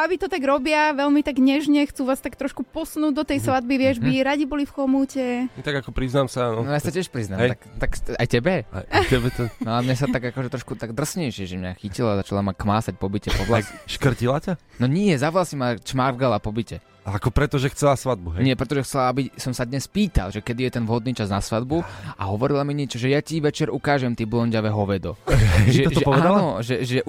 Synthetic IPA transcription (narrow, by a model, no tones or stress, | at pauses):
aʋit̪ɔt̪aɡɾɔbɪaʋɛlmit̪aɡɲɛʒɲɛxt͡suːʋaːst̪akt̪ɾɔʃkupɔsnuːɟ̚d̪ɔt̪ɛjsʋad̪̚biʋɪɛʒbiɾaɟibɔlifxɔmucɛt̪aɡakɔpɾiznaːmsanɔnɔjaːsacɪɛʃpɾiznaːmɛt̪akt̪akajtɛbɛa̰tɛbɛt̪ɔnalɛmɲas̬at̪aɡakɔʒɛt̪ɾɔʃkut̪aɡd̪r̩sɲɛjʃɪɛʒɛmɲaxicilazat͡ʃalamakmaːsac̚pɔbicɛpɔʋlaakʃkr̩cilacanɔɲiɛzaʋlasimat͡ʃmaːvɡalapɔbicɛ | akɔpɾɛt̪ɔʒɛxt͡sɛlasʋad̪̚buɦɛɲɪɛpɾɛt̪ɔʒɛxt͡sɛlaabisɔmsad̪ɲɛspiːt̪a̰lʒɛkɛd̪ijɛt̪ɛnʋɦɔd̪niːt͡ʃaznasʋad̪buaɦɔʋɔɾilamiɲɪɛt͡ʃɔʒɛjaciʋɛt͡ʃɛɾukaːʒɛmt̪iːblˠɔɲɟaʋɛɦɔʋɛd̪ɔʒɛʒɔɛpɔad̪nalɔʒɛʒɛ